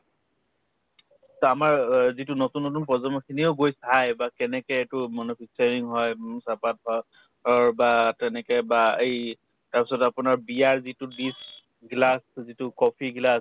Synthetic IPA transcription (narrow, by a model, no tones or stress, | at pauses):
tamaɹzitʊnotunːotunpɔzɔnmɔkʰinioʊɡojsajbakɛnɛkɛtʊmɔnopʰisaɹiŋɦɔjsapat̚ɦɔ | ɔɹbatɛnɛkɛbaej | taɹpi̥sɔtapʊnaɹbiaɹzitʊdis | ɡlaszitʊkɔpʰiɡlas